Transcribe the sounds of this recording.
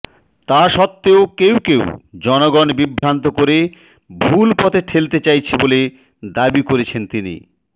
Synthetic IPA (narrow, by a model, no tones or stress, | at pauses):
t̪aʃɔt̪ːeokewkewd͡ʑɔnoɡɔnbibʱːɾant̪okoɾe | bʱulpɔt̪ʰeʈʰelt̪et͡ɕajt͡ɕʰebole | d̪abikoɾet͡ɕʰent̪inḭ